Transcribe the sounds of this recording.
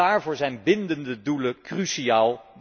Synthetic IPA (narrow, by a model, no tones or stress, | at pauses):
aːɹvʊːɹzɛjnbɪndəndəduləkryʃiaːlˠb